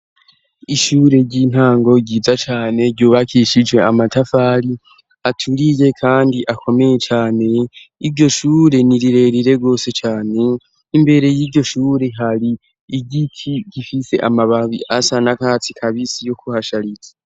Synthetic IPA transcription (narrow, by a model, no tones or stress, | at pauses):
iʃuːɾe̞ɟin̥haːŋɡo̞ɟiːzat͡ʃaːne̞ɾɟuːβakʰiʃid͡ʒwe̞amatafaɾi | atʰuɾije̞kʰaːndiʔakʰo̞me̞je̞t͡ʃaːne̞iɾɟo̞ʃuːɾe̞niɾiɾe̞ɾiɾe̞ɡo̞ːse̞t͡ʃaːne̞ | imbe̞ɾe̞jiːɾɟo̞ʃuːɾe̞ɦaɾiː | ɟikʰiɟ̥ifise̞̰ʔamaβaβiʔasanakaːt͡sikʰaβisijo̞kuhaʃaɾizḁ